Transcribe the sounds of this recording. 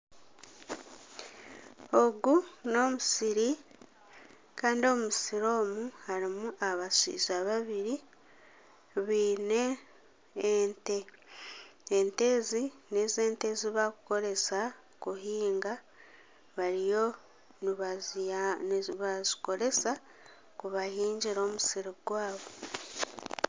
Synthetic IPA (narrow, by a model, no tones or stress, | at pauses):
o̞ɡuno̞musiɾi | kaːndio̞musiɾo̞ːmuhaɾimuaβasḭːzaβaβiɾi | βiːne̞ | nte | nte̞ːzinezeːnte̞ziβakuko̞ɾe̞sa | kuɦiːŋɡa | βaɾijo̞ | niβazniβaziko̞ɾe̞sa | kuβahiːɲɟiɾo̞ːmusiɾoɡwaːβo̞